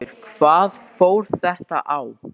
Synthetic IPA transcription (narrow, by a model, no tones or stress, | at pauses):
ɪɾ̥kʰv̥aːðfoːwɾ̥θɛht̪a̰ʔaw